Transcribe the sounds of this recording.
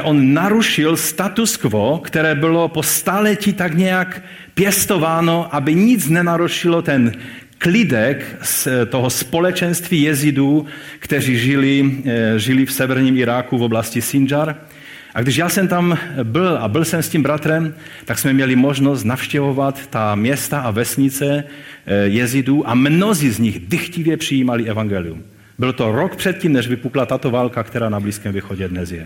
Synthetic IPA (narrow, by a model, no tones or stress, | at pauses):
ʔɔnːaɾuʃilst̪at̪uskʋɔkt̪ɛɾɛːbɔlɔpɔst̪alɛcit̪aɡɲɛak | pjɛst̪ɔʋaːnɔʔabiɲid͡zɲɛnaɾuʃilɔt̪ɛn | klid̪ɛkt̪ɔɦɔspɔlɛt͡ʃɛnst̪ʋijɛzid̪ukt̪ɛɾiːʒiliʒilifsɛʋɛɾɲimiɾaːkuvɔblascisind͡ʒaɾ | ʔaɡdɪʒjaːsɛmt̪ambɪlabɪlsɛmscimbɾat̪ɾɛm | t̪aksmɛmɲɛlimoʒnost̪nafʃcɛvovat̪ːamjɛst̪aavɛsɲit͡sɛ | jɛziduːʔamnozizɲiɣdɪxcivjɛpr̥ijiːmaliɛvaŋɡɛliṵm | bɪlt̪oɾokpr̝̥ɛt̪̚ciːmnɛʒvipuklat̪at̪ovaːlkakt̪ɛɾaːnabliːskɛːmviːxoɟɛd̪nɛzjɛ